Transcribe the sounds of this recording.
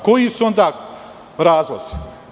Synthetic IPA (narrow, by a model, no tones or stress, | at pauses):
kojisuõnd̪aː | ɾaːzla̰s